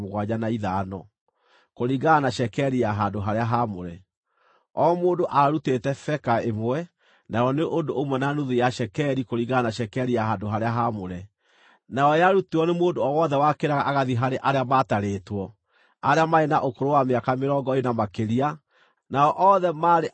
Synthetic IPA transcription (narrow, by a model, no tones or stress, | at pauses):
moɣwaɲanaiðanɔ | koɾiɡanaɕɛkɛɾiaɦaːdoɦaɾeaɦamoɾɛ | ɔmoːndoʔaaɾutetɛfɛkaemwɛ | naɔneʔondoomwɛnanuðejaʃɛkɛɾikoɾiɣɡanaʃɛkɛɾiaɦandoɦaɾeaɦamoɾɛ | naɔjaɾutiɔnemoːndoɔwɔðɛwakeɾaɣaʔːɣaðiɦaɾeʔaɾeamataɾeːtwɔ | aɾeamaenaʔokoɾowameakameɾɔːŋɡɔenamakeɾia | naɔʔɔðɛmaːɾe